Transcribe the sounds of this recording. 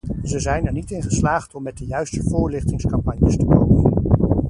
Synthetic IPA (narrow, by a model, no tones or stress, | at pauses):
zəzɛjnɛɹnitɪnχəslaːχtɔmːɛt̚dəjœɥstəvʊːɹlɪχtɪŋskɑmpɑɲjəstəko̰wmən